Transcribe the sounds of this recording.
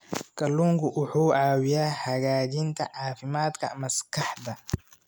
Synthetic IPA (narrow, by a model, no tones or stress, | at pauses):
kʰɐlːuːŋkʰʊʔʊħuːʕɑːwɪjaːhɐɣaːt͡ʃɪnt̪ʰɐ̰ʕɑːfɪmaːd̪kʰɐ̰mɐskʰɑħd̪ɐ